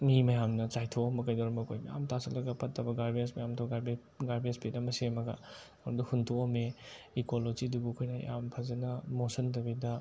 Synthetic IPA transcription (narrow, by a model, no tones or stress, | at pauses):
mimɐjamnɐt͡ʃajtʰoomɐkɐjdɔɾɐmɐkʰojmɐja̰mtʰasɐlːɐɡɐpʰɐtʰːɐbɐɡaɾbiesmɐjamtʰɐɡaɾb | ɡaɾbespetɐmɐsemɐɡɐ̰ | ɐɾuduhuntʰoomeikolod͡ʒidubukʰojnɐja̰mpʰɐzɐnɐmosɐntɐbidɐ